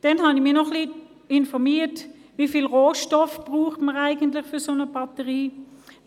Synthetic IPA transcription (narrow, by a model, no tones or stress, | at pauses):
d̥ɛnhɑnɪmiːɐnɔχliː | ɪnfɔʁmiːtvifiːlʁoːʃtɔfb̥ʁuːχtməʁaɪɡəntlɪχfysonəbɑtəʁiː